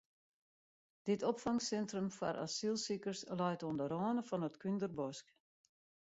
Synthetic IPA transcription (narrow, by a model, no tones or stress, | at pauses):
d̥ɪtɔpfaŋsɛntrəmfa̰ɾʔa̰silˠsikərslajtɔndəɾɔːnəfɔnətkʰyndərbɔsk